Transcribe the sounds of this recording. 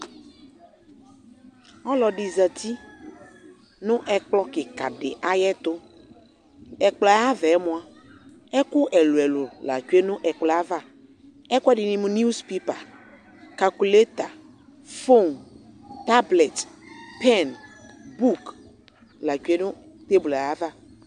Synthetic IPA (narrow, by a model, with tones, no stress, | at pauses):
ɔ˦lɔ˨ɖi˨zə˨t̪ʰi˦ | nʊ̃˦ʔɛ˦k͡plɔ˦ke˨ka̰˨ɖḛ˨ʔa˦jɛ˦t̪o˦ | ɛ˨k͡plɔ˨a˦a˦vɛ˨ɛ˦mõ˦a˦ | ɛ˦ku˦ʔɛ˨lu˨ɛ˨lo˨la̰˨t͡ʃu˦e˦nʊ̃˦ʔɛ˨k͡plɔ˨a˦va˦˨ | ɛ˦kɛ˦dɪ˨nĩ˦mʊ̃˦n˦u˦spe˦pa̰˨ | ka˨ku˨le˦t̪a˨ | fo˦nt̪a˦ble˨t̪pɛ˦˨nbu˦k | la˨t͡ʃu˦e˦nʊ̃˦ | t̪e˦bla˦va˦˨